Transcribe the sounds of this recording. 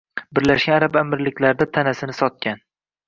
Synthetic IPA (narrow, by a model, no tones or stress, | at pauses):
bɪɾlaʃkʲanaɾapamɪɾlɪkʲʰlaɾd̪at̪ʰanasɪnɪsɒt̪̚kʲan